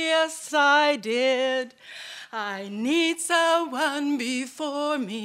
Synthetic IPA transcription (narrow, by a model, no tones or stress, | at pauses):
əsaɪdɪd | aɪnidzəwʌ̃nbɪfɔɹɹmi